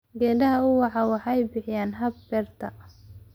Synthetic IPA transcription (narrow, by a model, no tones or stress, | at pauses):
ɡɛːdɐɦɐʊwɑħɑːwɑħjbɪħɪjaːnɦɐb̚bɛrt̪ʰɐ